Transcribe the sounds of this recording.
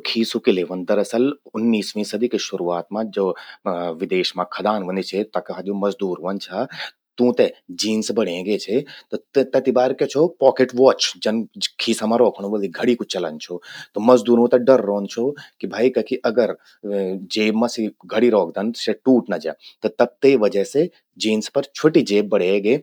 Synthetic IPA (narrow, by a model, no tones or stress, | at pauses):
kʰiːsukileːʋɐnd̪ɐɾɐsəlʊnːiːsʋĩsɐd̪ikeʃʊɾuːaːt̪mãd͡ʒoːʋɪd̪eːʃmãkʰɐd̪aːnʋɐnd̪it͡ʃʰet̪ɐkɐɦʰad̪ijũmɐzd̪uːɾʋɐnt͡ʃʰaː | t̪ũːt̪ed͡ʒiːnsbɐɽẽɡet͡ʃʰet̪ot̪ɐt̪ibaːɾkɛt͡ʃʰopɔːkeʈʋɔːt͡ʃd͡ʒɐnkʰiːsamãɾoːkʰɽ̃ũʋɐld̪iɡʱɐɽikʊt͡ʃɐlə̰nt͡ʃʰot̪omɐzd̪uːɾũt̪ɐɖɐɾːoːnt͡ʃʰokibʱaːikɐkʰiʔɐɡəɾ | d͡ʒeːbmãsiɡʱɐɽiɾɔːk̚ʰd̪ɐnseʈuːʈnɐd͡ʒa̰ːt̪ɐt̪ɐb̚t̪eːʋɐd͡ʒɐse | d͡ʒiːnspɐɾt͡ʃʰoʈid͡ʒeːbːɐɽeɡeː